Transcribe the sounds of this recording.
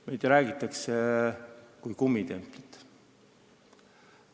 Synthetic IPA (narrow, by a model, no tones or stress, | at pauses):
mejd̪̥ɾæːɡ̥it̪ːˑɑkse | kujkumːit̪e̞mplit̪ː